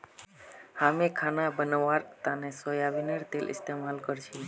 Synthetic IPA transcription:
hamekʰanabənaʋaɾt̪anesɔjaʋineɾt̪elʔɪ̰st̪emalkəɾt͡ʃʰi

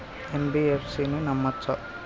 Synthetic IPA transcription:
enbiefʰsinenɐmːɐt̪sɐ

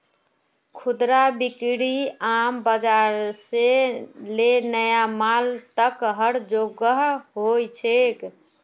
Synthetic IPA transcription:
kʰud̪ɾabikɽiambəd͡ʒaɾselenəjamalt̪əkɦəɽd͡ʒoɡəɦɦojt͡ʃʰek

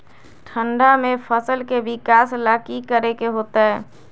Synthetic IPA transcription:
ʈʰəɳɖamepʰəsəlkeʋɪkaːslakikəɾekeɦoːt̪aɦɛ

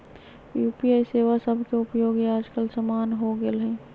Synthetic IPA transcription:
jupiaːiseːʋasəbʱkeʊpjoːɡeaːd͡ʒkəlsəmaːnɦoɡelɦɛː

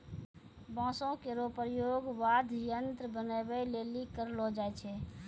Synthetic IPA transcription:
bɔ̃ːsõkeɾopəɾjoɡʋad̪ʱjənt̪ɾbənəbɛlelikəɾlɔd͡ʒaɛt͡ʃʰɛ

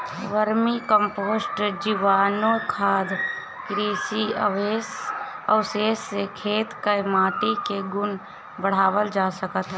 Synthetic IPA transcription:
ʋəɾmikəmpoːsʈd͡ʒiʋaːnõkʰaːd̪ | kɾiːsiə̰ʋeːsəːʊseːsːekʰeːt̪kəmaːʈikeɡʊn | bəɽ̤aːwəld͡ʒaːsəkət̪ɦ

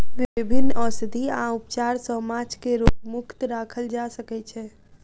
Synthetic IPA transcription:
ʋɪɪbʱinːəsd̪ʱiãupt͡ʃaɾsəmad͡ʒkeɾoɡ̚mʊkʰt̪ɾakʰəld͡ʒasəkɛt͡ʃʰɛ

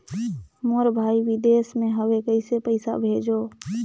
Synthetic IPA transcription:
moɾbʱaːiʋid̪esmẽɦəʋekəɪsepəɪsa̰bʱeːd͡ʒo

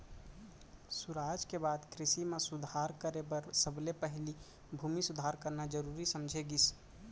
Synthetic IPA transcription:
suɾad͡ʒkebad̪kɾɪsimesud̪ʱaɾkəɾebəɾsəblepəɦli | bʱumisud̪ʱaɾkəɾnad͡ʒəɾuɾisəmd͡ʒʱeɡis

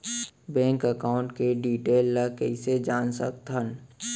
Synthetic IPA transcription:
bɛ̃ːŋkəkaːʊ̃ɳʈkeɖiːʈeːlːəkɛɪsed͡ʒaːnsək̚t̪ɦən

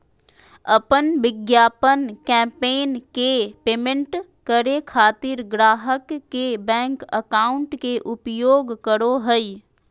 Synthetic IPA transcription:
ɐpənʋɪɡjaːpənkɛ̃ːmpeːnkepeːmẽɳʈ | kəɾekʰaːt̪ɪɾɡɾaːɦəkːebɛ̃ːŋkəkaːʊ̃ɳʈkeʔʊpjoːɡkəɾoɦəi

